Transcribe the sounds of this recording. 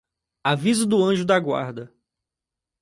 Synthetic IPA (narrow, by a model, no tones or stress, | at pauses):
avizʊd̪ʊɐ̃ʒʊd̪aɡwa̰ɾd̪ɐ